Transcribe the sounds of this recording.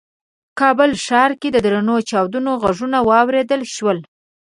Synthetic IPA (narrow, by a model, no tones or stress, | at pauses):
kɑbəlʃɑɾked̪əd̪ɾanot͡ʃɑwd̪unoɣaʐunawɑwɾed̪əlʃwəl